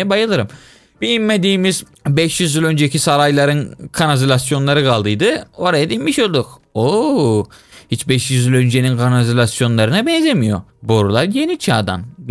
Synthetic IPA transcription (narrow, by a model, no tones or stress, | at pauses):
ɛbajɯlˠɯɾɯm | b̥iimmed̪iːmiz | bɛʃjyzylʲø̞nd͡ʒecʰisaɾajlˠaɾɯnkʰanazilʲasjo̞nlˠaɾɯkalˠd̪ɯjd̪ɯo̞ɾajad̪inmiʃolˠd̪uk | o | hit͡ʃbɛʃjyzylʲø̞nd͡ʒe̞ninkʰanazilʲasjo̞nlˠaɾɯnabɛnzʲemijo̞̰bo̞ɾulˠaɾje̞nit͡ʃʰaːd̪a̰n